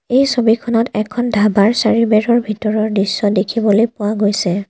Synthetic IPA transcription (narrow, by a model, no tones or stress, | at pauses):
ejsobikʰɔnɔtɛkʰɔndʱabaɹsaɹibɛɹɔɹbʱitɔɹɔɹdisːɔdekʰibɔlojpʊwaɡojsɛ